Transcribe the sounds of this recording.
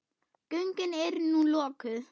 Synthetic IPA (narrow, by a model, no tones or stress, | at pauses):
cœŋkɪnɛɾnũlɔːkʏð